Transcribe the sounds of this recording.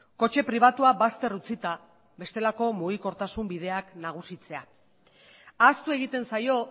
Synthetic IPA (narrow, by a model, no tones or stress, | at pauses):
ko̞t͡ʃe̞pɾiβ̞at̪uaβast̪e̞rut͡sit̪a | βe̞st̪e̞lako̞muɣ̞iko̞ɾt̪asumbið̞e̞aknaɣ̞usit͡se̞a | ast̪ue̞ɣ̞it̪e̞nsajo̞